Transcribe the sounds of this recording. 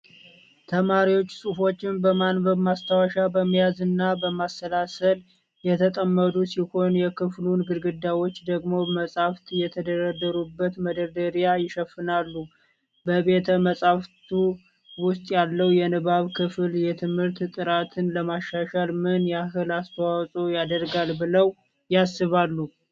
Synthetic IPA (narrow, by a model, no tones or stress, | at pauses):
t̪ʰəmaɾiwo̞t͡ʃːsʼufo̞t͡ʃːɪnbəmanbəβmast̪ʰawaʃabəməjazɨnːabəmasːəlasəl | jɛt̪ʰət̪ʼəmːəd̪usiho̞njɛkʰɨflunɡɨɾɡɨd̪ːawo̞t͡ʃːd̪əɡmo̞məsʼaft̪jɛt̪ʰəd̪əɾad̪əɾubːət̪məd̪əɾd̪əɾjajɪʃəfːɨnalːu | bəβe̞t̪ʰəməsʼaft̪ʰu | wʊst̪ʼjalːəwjɛnɨβaβkʰɨfɨljɛt̪ʰɨmhɨɾt̪t̪ʼɨɾat̪ʰɨnləmaʃːaʃalmɨnjaɦɨlast̪ʰəwawsʼojad̪əɾɡalbɨləw | jasːɨβalːu